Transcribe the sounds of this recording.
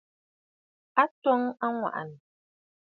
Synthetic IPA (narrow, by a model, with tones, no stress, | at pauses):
a˦tɔ˦ŋa˦ŋwa̰˨ʔa̰˨n˨